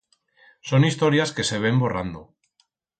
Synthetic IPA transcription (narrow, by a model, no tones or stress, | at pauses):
so̞nist̪o̞ɾjaske̞se̞β̞e̞mbo̞rand̪o